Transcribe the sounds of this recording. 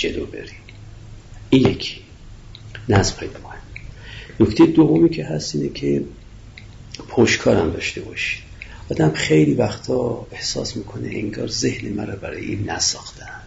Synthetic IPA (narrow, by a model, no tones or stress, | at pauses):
d͡ʒelo̰be̞̰ɾim | injekʰi̥ | næzmxɑjid̪kʰonimnokt̪ejed̪ovːomiːcʰeɦæst̪iːnecʲʰe | pʰoʃkʰɒːɾæmd̪ɒːʃt̪e̞bɒʃi̥d̪̥ʔɒːd̪æmχejlivæxt̪ʰɒːehsɒ̰ːsmiːkʰo̞nḛʔeŋɡɒːɾzehnemæɾɒbæɾɒ̰ːjeʔinːæ̰sɒːxt̪ʰænd̪̥